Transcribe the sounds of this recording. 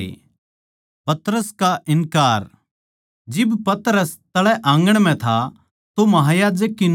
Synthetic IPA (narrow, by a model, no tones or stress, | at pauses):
pɐt̪ɾəskaʔɪnkaːɾ | d͡ʒɪbpɐt̪əɾəst̪ɐɭɛʔãːŋɡəɽ̃m̤ɛ̃t̪ʰa | t̪omɐɦaːjaːd͡ʒəkːin